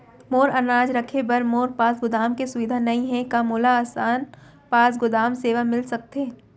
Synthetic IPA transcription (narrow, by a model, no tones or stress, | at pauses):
moːɾɐnɾaːd͡ʒɾɐkʰebɐɾmoːɾpaːsɡʊd̪aːmkesʊʋɪd̪ʱanɐɦĩɦɛ̃kamoːlaːsaːn | paːs̬ɡʊd̪aːmseːʋamɪlsɐk̚t̪eː